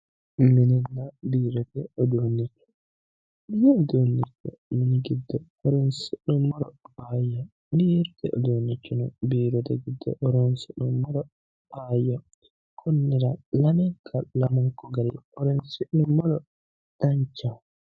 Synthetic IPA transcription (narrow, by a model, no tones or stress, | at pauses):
minilːabiːɾɔtɛɔdoːnːit͡ʃːɔ̥ | dijɛːdonːit͡ʃːɔ̰miniɡidːɔhɔɾinsiɗumːɔlɔbajɔ | mieɾtɛʔɔ̰doːnːit͡ʃːɔnɔbiːɾɔtɛ̰ɡidːɔ̰ʔɔɾɔnsiɗumːɔɾɔ | bajɔ | kʰonːiɾalanɛkʰalamuŋkɔɡalḭʔɔɾɛnsiʔnumːɔlɔ | d̥aɲt͡ʃa